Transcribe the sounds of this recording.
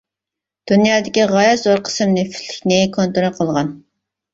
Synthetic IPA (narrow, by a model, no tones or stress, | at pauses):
d̪̥unjɑːd̪ɪkʲiʁɑjɑzoɾqʰə̥sɨmnɪfɪ̥t̪ʰːɪ̥kʲnɪkʰont̪oɾɑqʰəlˠʁɑn